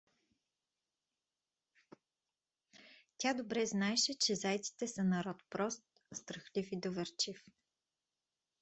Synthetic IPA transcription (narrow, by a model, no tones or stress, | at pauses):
t̪ʲad̪obɾɛznaɛʃɛt͡ʃɛzajt̪si̥t̪ɛsənɐɾɔt̪pɾɔst̪ | st̪ɾəxlifid̪ovɛɾt͡ʃif